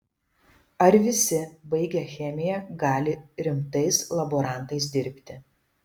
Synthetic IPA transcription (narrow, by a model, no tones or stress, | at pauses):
ɐɾʋʲɪsʲɪbɐɪɡʲɛxʲɛmʲɪjɛɡɑːlʲɪɾʲɪmt̪ɐɪslˠɐboɾɐˑnt̪ɐɪs̬d̪ʲɪɾʲpʲt̪ʲɪ